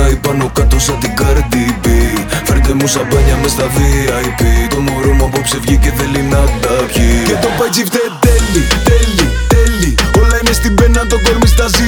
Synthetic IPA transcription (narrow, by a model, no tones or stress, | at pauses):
ɐipɐnokɐt̪osɐt̪iɡɐɾd̪ibifeɾd̪emusɐbɐɲɐmest̪ɐðiɐipit̪omoɾomuɐpopse̞vʝiceðelinɐd̪ɐpçicet̪opɐt͡sift̪et̪elit̪elit̪eliolɐinest̪ibenɐt̪okoɾmist̪ɐzi